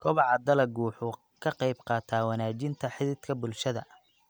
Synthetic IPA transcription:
kʰɔβɑʕɑd̪ɐlɐɡuːħʊ | kʰɐqɑjbqɑːt̪ʰaːwɐnaːt͡ʃɪnt̪ʰɐħɪðɪd̪kʰɐbʊlʃɐðɐ̰

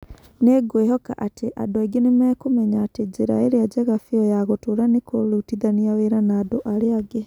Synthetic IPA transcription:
neɡweɦɔka̰ʔatʰeʔa̰doeɡenemɛːkomɛɲaːted͡ʒiɾa̰eɾiad͡ʒɛɣafiɔjaɣotoɾanekolutiðaniaweɾanaːdoʔaɾeaɡe

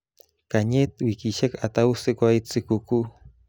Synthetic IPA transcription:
kaɲet̪wikiʃakat̪awsɨkʷajt͡sɨkuku

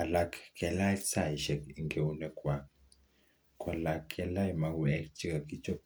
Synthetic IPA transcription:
alakkɛlaksaiʃɛkiŋɡɛunɛkwak | kʰʼalakʰːɛlaimakuɛkt͡ʃʰʼikakit͡ʃʰʼɔ

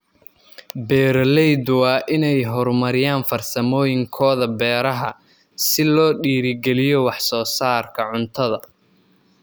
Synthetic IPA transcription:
bɛːɾlɛjd̪wɑːʔɪnɛjɦɔrmɐɾɪjaːnfɐrsɐmɔːjɪŋkʰɔːðɐbɛːɾɐɦɐ̰ | sɪlɔːɖiːɾɪɡɛlɪjɔwɑħsɔːsaːrkʰɐʕʊnt̪ʰɐðɐ

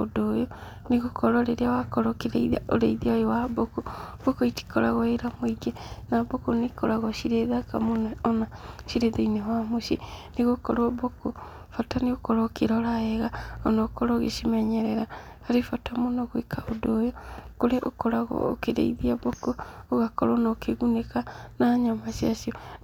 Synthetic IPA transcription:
o̰dojo | neɣokɔɾaoɾeɾeawakɔɾɔkeɾeaoɾeiðiajowabokob̥okoiti̥kɔɾaɣɔeɾamwoiɡenabokonekoɾaɣɔʃiɾeðakamonɛɔnaʃiɾeðainewamoʃeneɣokɔɾwɔboko | fataneɣokɔɾɔkeɾɔɾaɛɣaɔnɔkɔɾɔɣḛʃimɛɲɛɾɛɾa | haɾefatamonɔɣwekʰaodojɔkoɾɛʔo̰kɔɾaɣɔ̰o̰keɾḛiðiabokooɣakɔɾɔnɔkeɣunekanaɲamasiasiɔ

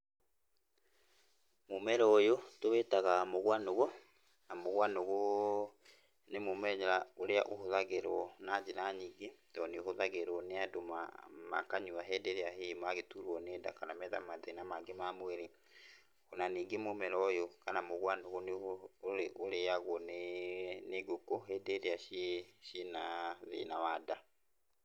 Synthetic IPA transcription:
momɛɾɔjotowetaɣamoɣwanoɣo | namoɣwanoɣo | nemomɛɲɛɾaoɾeaʔohoðaɣeɾɔnad͡ʒenaɲiːɡetɔneohoðaɣeɾwɔneadoma̰ma̰kaɲuaɦɛdeɾeaɦemaɣetuɾwɔneːda̰kanamɛða̰maðenamaɡemamwɛɾe | onaniːŋɡemomɛɾɔjɔkanamoɣwanoɣoneoɾeʔoɾeaɣwɔneneɡokoɦɛdeɾeaʃeʃinaðḛnawada

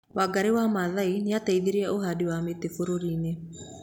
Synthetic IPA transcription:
waɡaɾewamaðaineataiðeɾiɛʔoɦadiwametefoɾoɾiːne

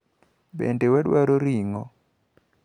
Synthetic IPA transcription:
bɛ̰ndɛwɛɗwaɾoɾiŋɔ

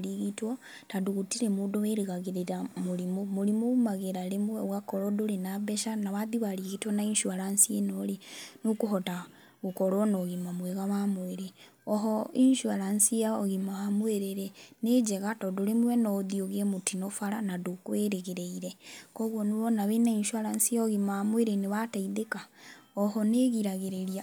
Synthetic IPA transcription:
liɣitwo | taduɣutiɾemudoweɾiɣaɣiɾeɾamuɾimumuɾimuumaɣeɾalemweɣakoɾodulinabeʃanaβaðiβaliɣitwonainʃuaɾansienolinukuɦota | ɣukoɾonoɣimamweɣaβamweɾe | ɔɦɔinʃuaɾansiaɔ̰ɣimaamweɾeɾɛned͡ʒɛɣatɔduɾemwɛnɔðioɣemutinɔfaɾanadukweɾeɣeɾeiɾɛkɔɣwɔnuɾɔnaβenainʃwaɾansiɔɣimamweɾeneβataiðekaɔhɔneɣiɾaɣeɾeɾja

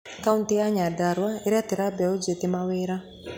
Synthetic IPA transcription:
kauntijaɲadaɾwaiɾɛt̪iɾabɛud͡ʒet̪imaweɾa

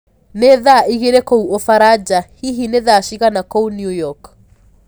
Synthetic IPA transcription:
neðaʔiɣeɾekouofaɾad͡ʑahiɦineðaʃiɣanakounjujɔk

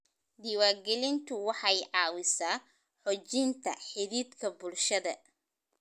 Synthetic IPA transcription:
d̪iwaːɡɛlɪnt̪ʰʊwɑħɑjʕɑːwɪsaː | ħɔt͡ʃɪnt̪ʰɐ̰ħɪðiːd̪kʰɐbʊlʃɐðɐ

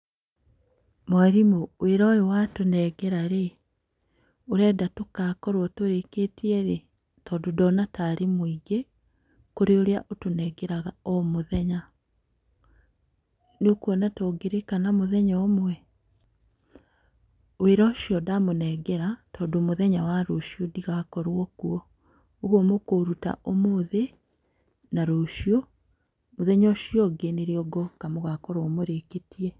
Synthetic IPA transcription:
mwaɾimoweɾɔjewatonɛɡɛɾaɾe | oɾɛːdatokakɔɾwɔtoɾeketiɛɾe | tɔdodɔnataɾimwiɡe | koɾeoɾjaʔotonɛɡeɾaɣaɔmoðɛɲa | neokuɔnatɔɡeɾekanamoðɛɲɔmwɛ | weɾɔʃjɔdamonɛɡɛɾatɔːndoːmoðɛɲawaɾoʃiodiɣakɔɾwɔkuɔ | oɣomokoɾuta̰ʔomoðe | naɾoʃio | moðɛɲɔʃjɔɡeneɾeɔɡɔkamoɣakɔɾɔmoɾeketiɛ

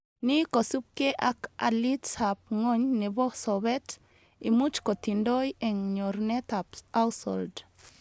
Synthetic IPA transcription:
nikosup̚keʔakʔa̰litsap̚ŋɔɲnɛbɔsɔβɛt̪ | imut͡ʃkɔt̪indɔjɛŋɲɔɾnɛt̪apawsɔ̰ld

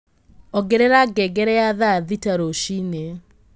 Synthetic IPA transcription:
ɔɡeɾeɾaɡɛɡɛɾɛjaðaðitaɾoʃine

